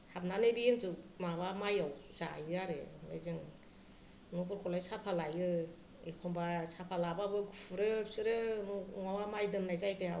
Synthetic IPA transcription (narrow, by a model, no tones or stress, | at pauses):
hap̚nanebiintɯmabamajawzajaɾɯ̰najzɯŋ | nɔkʰuɾkʰɔlajsapʰalajɯ | ḛkʰɔmbasapʰalababɯɡupʰuɾɯpsɯɾɯnuŋawamajdɯmnajzajpʰea